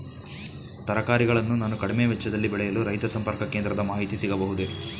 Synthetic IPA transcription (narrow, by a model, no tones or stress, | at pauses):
t̪ɐɾɐkaːɾiɡɐɭɐnːunaːnukɐɽimeːʋɛt͡ʃːɐd̪ɐlːibɛɭɛjɐluɾɐjt̪ɐsɐmpɐɾkɐkeːnd̪ɾɐd̪ɐmaːɦit̪isiɡɐbɐɦud̪e